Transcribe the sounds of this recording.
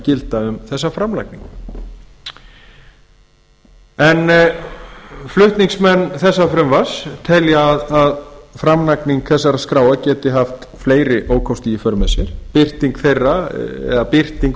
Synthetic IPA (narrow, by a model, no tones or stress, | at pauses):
cɪlt̪aʏmθɛsːafɾamlajkniŋk | ɛn | flʏht̪niŋksmɛnːθɛsːafɾʏmvḁst̪ʰɛljaːðaðfɾamlakniŋkθɛsːaɾaskɾaːwacɛːt̪ɪɦaft̪fleːjɾɪʔoːwkʰɔwst̪iifœɾmɛsɪɾ̥pɪr̥t̪iŋkθejrːaɛ̰ðapɪr̥t̪iŋk